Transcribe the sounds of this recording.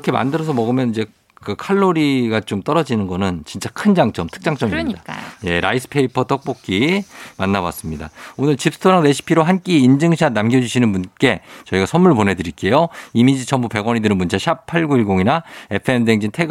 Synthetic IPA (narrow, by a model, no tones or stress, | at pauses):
kʰe̞ma̰ndɯɾʌs̬ʰʌmʌɡɯmjʌnid͡ʑe̞ | kɯkʰaɭːoɾiɡat͡ɕomt͈ʌɾʌd͡ʑinɯnɡʌnɯnt͡ɕint͡ɕ͈akʰɯnd͡ʑaŋt͡ɕ͈ʌmtʰɯ̥k̚t͡ɕ͈aŋt͡ɕ͈ʌmiiɲdaaa̰je̞ɾa̰is͈ʰɯ̥pʰe̞ipʰʌt͈ʌk̚p͈ok̚k͈imanːawa̰s͈ɯmɲida̰onɯɭt͡ɕip̚s͈ɯ̥tʰoɾaŋne̞ɕʰi̥pʰiɾoɦank͈iːnd͡ʑɯŋɕʰanamɡjʌd͡ʑuɕʰinɯnbunk͈e̞t͡ɕʌiɡasʰʌnmːuɭpone̞dɯɾik͈e̞joimid͡ʑit͡ɕʰʌmbupe̞ɡwʌɲidɯɾɯnmunt͡ɕʰaɕʰapʰaɭɡuiɭɡoŋinae̞pʰɯe̞mdeŋd͡ʑintʰe̞ɡ